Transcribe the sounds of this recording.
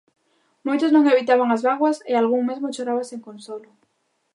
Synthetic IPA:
mojt̪ʊznõŋeβit̪aβaŋazβaɣwasealɣuŋmezmot͡ʃoɾaβaseŋkonsolʊ

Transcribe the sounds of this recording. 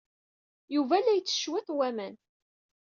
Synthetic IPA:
juvælːæjt͡sːə̥ʃwæθwæmæn

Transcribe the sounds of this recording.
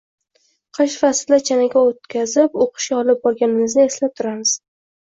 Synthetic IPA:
qʰɨʃfasd̪at͡ʃʰanaɡʲaot̪kʲʰazɪpoqʰɨ̥ʃkʲaɒlɪp̚bɒɾɡʲanɪmɪznɪe̞slap̚t̪ʰʊɾamɪz̥

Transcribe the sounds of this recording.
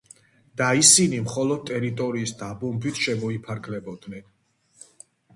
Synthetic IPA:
d̪̥aisinimχɔlɔd̪̚t̪ʼɛɾit̪ʼɔɾiːsd̪abɔmbʰit̪ʰʃɛmɔipʰaɾkʰlɛbɔd̪nɛn

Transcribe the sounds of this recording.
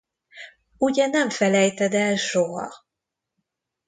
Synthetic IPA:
uɟɛnɛɱfɛlɛjt̪ɛd̪ɛlʃo̞ɦɒ̰

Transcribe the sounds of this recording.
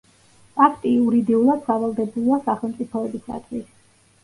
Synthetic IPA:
pʼakʰt̪ʼiuɾid̪iulˠad̪̥savalˠd̪ɛbulˠasaχɛlˠmt̪sʼipʰɔɔbisa̰t̪ʼvis

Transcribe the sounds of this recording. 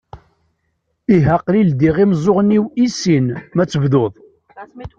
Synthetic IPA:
iɦəqlild̪iʁimzˤoʁnːiwisinmæt͡sːəvðoðˤ

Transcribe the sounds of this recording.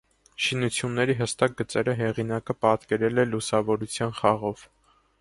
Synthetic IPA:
ʃinut͡sʰjunːɛɾiɦəst̪ɑk̚ɡət͡sɛɾəɦɛʁinɑkəpɑt̪kɛɾɛlɛlusɑvɔɾut͡sʰjɑnχɑʁɔv

